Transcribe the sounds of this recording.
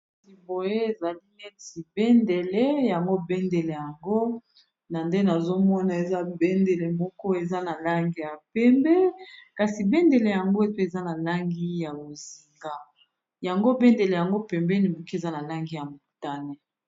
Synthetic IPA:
ti˨bo˨je˦e˨za˨li˦ne˦ti˨bɛ˦nde˨le˦ja˨ŋɡo˦bɛ˦nde˨le˨ja˨ŋɡo˦ | na˨nde˦na˨zo˦mɔ˦na˨e˨za˦bɛ˦nde˨le˨mɔ˦kɔ˦e˨za˦na˨la˦ŋɡi˦ja˨pɛ˦mbɛ˦ka˨si˨bɛ˦nde˨le˨ja˨ŋɡo˦e˦pe˦e˨za˦na˨la˦ŋɡi˦ja˨bo˨zi˨ŋɡa˦ | ja˨ŋɡo˦bɛ˦nde˨le˨ja˨ŋɡo˦pɛ˨mbɛ˦ni˨mo˨ki˦e˨za˦na˨la˦ŋɡi˦ja˨mu˨ta˦ne˨

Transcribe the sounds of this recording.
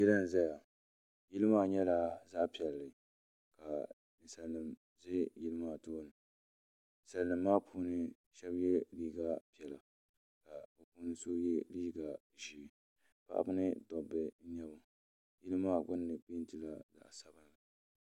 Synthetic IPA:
jɛ˦lɨ˦n̩˨za˦ja˨ | ji˦lɨ˦maː˦ɲɛ˦la˦za˦pi˨ɛ˨lːɨ˨ | ka˨ | nɨ˨sa˨lːɨ˨m | zɪ˦jɪ˦lɨ˦maː˦toː˦nɨ˨ | n̩˨sa˨lːɨ˨mːaː˦pʰuː˦nɨ˦ | ʃɛ˦bjɛ˦liː˦ɡa˦pi˨ɛ˨la˨ | ka˨bɛ˨puː˦nɨ˦so˦jɛ˦liː˦ɡa˨ | ʒi˨ | pa̰˦ʔa̰˦bɨ˦nɨ˦dɔ˨bɨ˨n̩˦ɲɛ˦bʊ˨˦ | jɪ˦lɨ˦maː˦˨ɡʊ˦nːɨ˨k͡pi˦n̩˦tɨ˨la˦za̰˨sa˨˦bɨ˦n˨la˨

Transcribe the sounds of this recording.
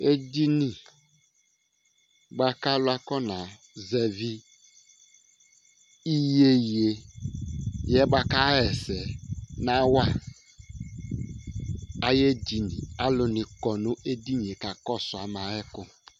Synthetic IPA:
e˦di˦ni˨ | ɡ͡ba˦ka˦lʊ˦a˦kɔ˦nã˨ | zɛ˨vi˦ | i˦je˦˨je˨ | jɛ˦ba˦ka˦ɛ˨sɛ˨nã˦wa˦ | a˦je˦di˨ni˨a˦lʊ˨nɪ˨kɔ˨nʊ̃˦ʔe˦di˦ɲ˨e˨ka˨kɔ˦sʊ˨a˨ma˨ɛ˦kʊ˦

